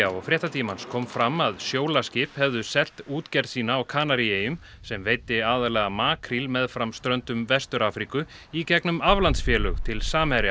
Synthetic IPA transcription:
aɔɣfɾjɛht̪at̪ʰiːmanskʰɔːmfɾamaðsjoːwlascɪphɛvðʏsɛl̥t̪uːt̪cɛɾsiːnaːwkʰaːnaɾieːjʏm | sɛmveːjt̪ːɪaːðalɛːɣamaːkʰɾilmɛðfɾamst̪ɾœnt̪ʏmvɛst̪ʏɾaːfɾikʏ | icɛknʏmavlant̪sfjɛːlœɣt̪ʰɪlsaːmɛɾɪ

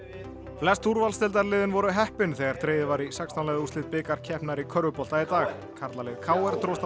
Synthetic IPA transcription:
flɛst̪ʰuɾvalst̪ɪlt̪̬aɾlɪːðɪnvɔɾʏɦɛhpɪnθɛɣaɾ̥t̪ɾeːjðɪvaɾisɛkst̪anlɛjðust̪ɪt̪̚pɪːkaɾ̥cʰɛhpnaɾikʰœɾvʏpɔlt̪ait̪aːɣ | kʰaɾt̪lalɪðkʰaːwɛɾt̪ɾowst̪

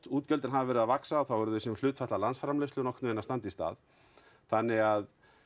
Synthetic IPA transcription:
t̪uːt̪̚cœlt̪ɪnɦaðvavɛɾɪðavaksaɔθawvɛɾʏðɪsɛmlʏːt̪fɛht̪lalansfɾamlest̪lʏnɔknmenast̪ant̪ist̪a̰ːð | θanːɪɣað

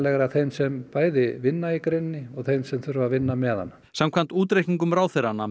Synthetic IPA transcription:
lɛɣɾaðθejnsɛmpaːjðɪvɪnːaikɾejnːɪɔɣθejnsɛmθʏɾvavɪnːamɛːða̰nː | samkʰvant̪uːt̪ɾejhniŋkʏmɾaːwθeɾanːa

